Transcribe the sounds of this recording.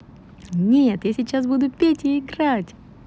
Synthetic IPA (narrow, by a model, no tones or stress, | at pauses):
nʲet̪jasʲɪt͡ɕːas̬bud̪ʊpʲetʲɪɪɡɾatʲ